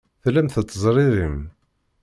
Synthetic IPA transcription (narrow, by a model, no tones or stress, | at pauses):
θlæmθət̪ːəzˤɾˤɪɾim